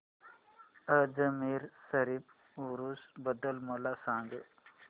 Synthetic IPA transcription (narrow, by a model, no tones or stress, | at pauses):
əd͡zəmiɾsəɾip | uɾusbəd̪əlməlasãːŋɡə̰